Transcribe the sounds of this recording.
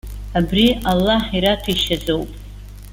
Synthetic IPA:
abrialːaħiɾatʰiʃazowpʼ

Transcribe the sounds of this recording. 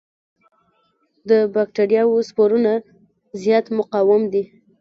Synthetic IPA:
d̪əbak̚ʈeɾijɑwospoɾuna | zjɑt̪mʊqɑwɪmd̪i

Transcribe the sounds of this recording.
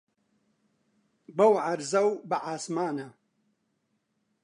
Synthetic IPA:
bɐwʕaɾzɐwbɨʕaːsmaːnɐ

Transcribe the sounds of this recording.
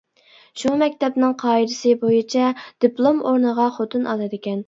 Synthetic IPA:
ʃumɛkʲt̪ʰɛpnɪŋqʰɑːid̪ɪsɨbojit͡ʃʰɛd̪̥ɪplˠomoɾnəʁɑχot̪ʰunʔɑlˠɨd̪ɪkʲɛn

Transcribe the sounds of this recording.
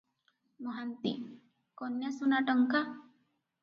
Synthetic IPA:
mɔɦant̪ḭ | konjasunaʈəŋka

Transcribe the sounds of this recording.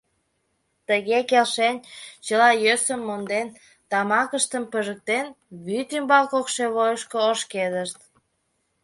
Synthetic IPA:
t̪əɣekelʃenʲt͡ɕəlɑjøsəmːond̪en | t̪ɑmɑkəʃt̪əmpəʒək̚t̪en | βyt̪ymbɑlkokʃeβojəʃkooʃked̪əʃt̪

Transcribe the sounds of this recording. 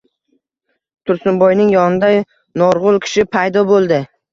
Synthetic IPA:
t̪ʰʊɾsʊnbɒjnɪŋjɒnɪd̪aj | nɒɾʁʊlˠkʲʰɪ̥ʃɪpʰajd̪ɒbolˠd̪ɪ

